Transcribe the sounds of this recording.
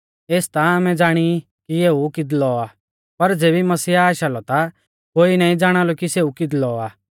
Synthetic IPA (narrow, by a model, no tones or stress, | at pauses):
eːst̪aaːmɛ̃d͡zaːɽ̃i | kieːukɪd̪lɔaː | pɐɾd͡zeːbimɐsiːaːʃaːlɔt̪a | koːinaːĩd͡zaːɽ̃aːlɔkiseːukɪd̪lɔaː